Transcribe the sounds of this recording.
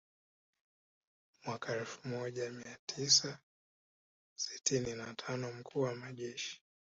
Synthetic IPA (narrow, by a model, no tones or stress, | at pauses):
mwakaɛlfu̥mɔʄamiatʰisa | si̥tʰininatʰanɔm̩kʰuːwamaʄɛʃi̥